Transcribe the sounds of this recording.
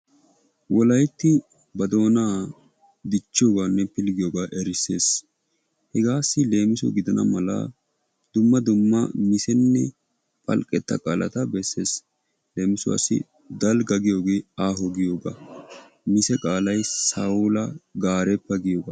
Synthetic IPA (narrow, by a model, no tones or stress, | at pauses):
wɔlɐjt̪ːɪ | bɐd̪o̞ːnaː | d̪ɪt͡ʃːɪjoːɡaːnːɛpɪlɡɪjoːɡaːʔɛɾɪsːe̞ːs | hɛɡaːsːɪle̞ːmɪsʊ̰ɡɪd̪ɐnɐ̰mɐlɐ̰ | d̪ʊmːɐd̪ʊmːɐmɪsɛnːɛ | pʼɐlkʼːɛt̪ːɐ̰kʼaːlɐ̰t̪ɐbɛsːe̞̰ːs | le̞ːmɪsʊwɐ̰sːɪ̰ | d̪ɐlɡɐɡɪjo̞ːɡeːaːɦɔɡɪjo̞ːɡa̰ | mɪsɛkʼaːlɐjsaːʊlɐɡaːɾɛpːɐɡɪjoːɡaː